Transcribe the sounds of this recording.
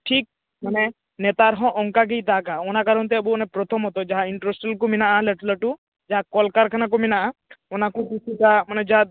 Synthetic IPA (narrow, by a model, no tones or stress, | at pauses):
ʈʰik̚ | mənɛ | nɛt̪aɾɦɔ̃ʔɔŋkak̬ejt̪akaɔnakaɾɔnt̪̬ɛəbuɔnɛpɾɔt̪ʰɔmɦɔt̪ɔd͡ʒaɦaiɳʈɾesʈəlkuminaʔaləʈləʈu | d͡ʒaɦakɔlkaɾkʰanak̬ominaʔaɔnakukit͡ʃʰikamənɛd͡ʒaɦa